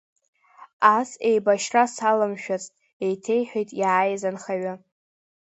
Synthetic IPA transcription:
asejbaʃrasalɨmʃᶣat͡sʼtʼ | e̞jtʰe̞jħʷᶣojtʼjaːjzanχaɥa

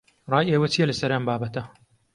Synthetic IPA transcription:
rˤɑːjeːwɐt͡ʃijɛlɐsɐɾɐmbaːbɐt̪ɐ

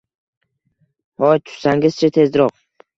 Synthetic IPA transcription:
hɒjt̪ʰʊ̥ʃsaŋɪzt͡ʃʰat̪ʰe̞zɾɒq̚

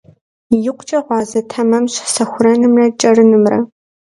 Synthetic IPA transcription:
jɪqʷʊt͡ʃʼɐʁʷɑːzɐtʰɐmɐmɕħsɐxʷʊrɐnɨmrɐt͡ʃʼɐrɨnɨmrɐ̰

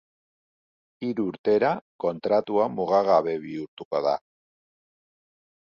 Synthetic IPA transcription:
iɾuɾt̪eɾakont̪ɾat̪uamuɣ̞aɣaβeβiuɾt̪ukoða

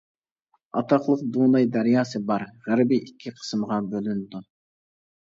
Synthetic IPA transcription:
ɑ̰t̪ʰɑχlˠəqd̪unɑjd̪æɾjɑːsɨbɑɾʁæɾbiʔikʲʰːiqʰə̥smʁɑbølynd̪u

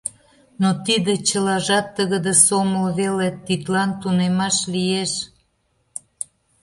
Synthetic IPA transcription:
not̪id̪et͡ɕəlɑʒɑt̪ːəɣəd̪esoməlβelet̪it̪lɑnt̪unemɑʃlijeʃ

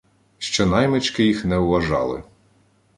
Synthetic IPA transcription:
ʃt͡ʃɔnɑjmɪt͡ʃkɪjixnɛuʊʋɐʒɑ̰lˠɪ̰

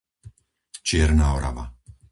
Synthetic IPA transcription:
t͡ʃɪɛɾnaːɔɾa̰ʋa̰

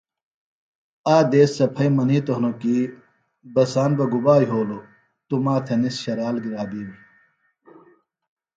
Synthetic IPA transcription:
aːd̪eːsːɐpʰɐjmɐniːt̪oɦnokiː | bɐsaːnbɐɡubaːjɦoːlo | t̪umaːt̪ʰenisɕɐɾaːlɡiɾaːbiːmi

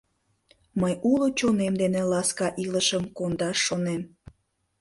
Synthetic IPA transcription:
məjulot͡ɕonemd̪enelɑskɑʔiləʃəmkond̪ɑʃːonem

